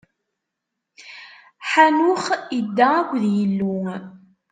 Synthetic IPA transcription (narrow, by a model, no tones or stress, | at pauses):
ħanʊχid̪ːaækʷːðjəlːu